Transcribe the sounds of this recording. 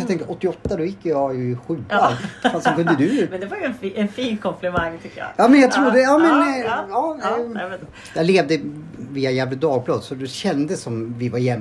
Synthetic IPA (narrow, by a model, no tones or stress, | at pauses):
ɑt̪ʰɛŋkəɔt̪ːɪɔt̪ːad̪ɔjɪkːjɑjɵɪɧʉ̟ːkanfast̪sɔŋkʰɵnd̪əd̪ɵmɛnd̪ɛvaɾjɛnɛnfiːnkʰɔmplɪmaŋːt̪ʰʏk̪ːəjɑ̰jɑːmɛnjɑt̪ʰɾuːɾd̪ɛjɑːmɛnjɑː | j̥̪æleːvd̪əviːajæːvləd̪ɑːɡ̚bʰlɑːd̪sɔd̪ʉɕɛnd̪əsːɔmvɪvaɾjɛm